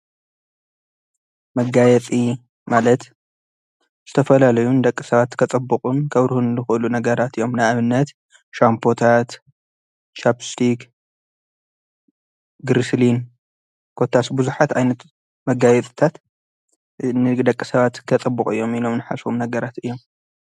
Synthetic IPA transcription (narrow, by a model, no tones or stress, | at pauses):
mɐɡajɛt͡s̪ʼi | malɐt̪ | z̥ɨt̪ʰɐfɐlalɐjunɨd̪ɐkʼːɨsɐβat̪kʰɐt͡sʼɐbːɨkʼunkʰɐβɾɨhunzɨxʔɨlunɐɡɐɾat̪ɨjo̞mnaʔaβɨnːɐt̪ | ʃampʰo̞t̪ʰat̪ | t͡ʃapst̪ʰik | ɡɾislin | kʰo̞t̪ʰːasbuzuħat̪ʕajnɐt̪ | mɐɡajɛt͡s̪ʼɨt̪ʰat̪ | nɨd̪ɐkʼːisɐβat̪kʰɐt͡sʼɐbːukʼɨ̰jːo̞milo̞mnɨħasumnɐɡɐɾat̪ɨjːo̞m